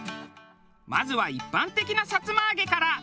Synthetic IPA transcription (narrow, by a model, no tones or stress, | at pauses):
mazɨβaipːãnt̪e̞kʲinasat͡sɨmaːɡe̞kaɾa